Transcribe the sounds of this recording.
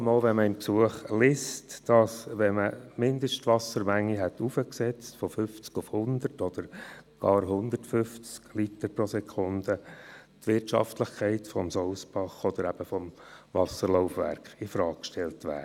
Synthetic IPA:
moːlʋɛnməɪmpsuəχlɪstd̥ɑsʋɛməmɪnd̪əʃtʋɑsəɾmæŋːiɦɛt̪ufəksɛt͡stfɔfʏft͡skʊfhʊnd̪ərtɔd̥̪əɾɡ̥ɑːɾɦʊnd̪ərtfʏft͡sklit̪əɾpɾɔsɛkʰʊnd̥ət̪ʋɪrtʃɑ̰ftləχkʰɛɪtfɔmsɔʊsbɑχɔd̪əɾæb̥əfɔm | vɑsəɾlɔʊfʋæ̰ɾkχɪfɾɑːkkʃtʰɛltʋæ̰ːɾ

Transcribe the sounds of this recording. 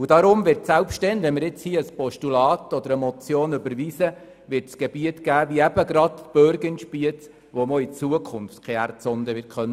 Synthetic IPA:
ud̥ɑɾʊmvɪɾtsælpʃtɛndɛmɪɾɪt͡shiəəspɔʃtulɑːt̪ɔd̪əɾəmɔt͡sjoːnʉbəɾʋisə | ʋɪɾtsɡ̥eb̥iətɡ̥æːʋiəæb̥əɡɾɑtb̥øɾɡənʃpiət͡s | ʋomɔit͡suəkʰʊnftkʰχɛærtt͡sɔnd̪əʋɪt̚kʰχœnːə

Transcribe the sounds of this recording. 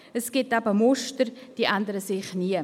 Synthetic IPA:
əsɡ̥ɪtabəmʊʃtəɾd̥iːʔandəɾəsɪχniə

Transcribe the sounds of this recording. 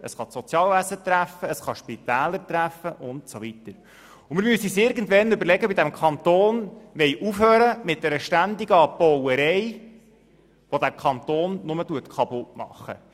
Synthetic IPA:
ə̰sχɑsɔt͡sjɑːlvæsət̪ɾæfːəəsχɑʃpit̪æːləɾtɾæfəʔʊntsovitəɾ | ʊmɪɾmysisɪɾɡən̩dʋɛnʏbəɾlɛɡəbidæmkʰɑnt̪oːnʋɛjʔufhøːɾəmɪt̚d̥ɛɾəʃtænd̪iɡəɑpːɔwəɾɛɪ | ʋod̪ækʰɑnt̪oːnnʊmətuətkʰɑpʊtmɑ̰χːə̰

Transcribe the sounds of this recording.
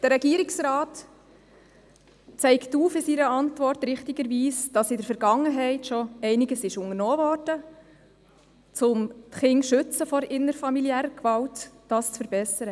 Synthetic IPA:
d̥əɾɛɡiːɾɪksɾaːt | t͡sɛɪktuːfɪsiɾəɑntvɔrtɾɪχtɪɡəɾviːsd̥ɑsɪdəɾfɛɾɡɑŋəɦɛɪtʃɔɛɪnɪɡəsɪʃʊŋəɾnɔːvɔrd̥ə | t͡sʊmtχɪŋʃʏt͡səfɔɾɪnəɾfɑmiliæːɾəkvɑltː | ɑːst͡sfəɾbɛsəɾə

